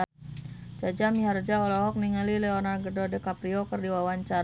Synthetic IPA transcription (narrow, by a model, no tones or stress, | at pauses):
d͡ʒad͡ʒamiɦard͡ʒaɔlɔɦɔk̚niŋalilɛɔnarɡədodɛkapɾiokərdiwawaɲt͡ʃaɾ